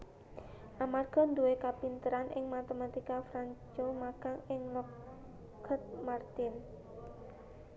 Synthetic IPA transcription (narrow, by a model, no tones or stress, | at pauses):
ʔamarɡ̥ɔ̤nd̪uwekapint̪əɾanʔɪŋmat̪emat̪ikafɾant͡ʃomaɡ̥aŋɪŋləp | ɡ̥ʰət̪̚mart̪ɪn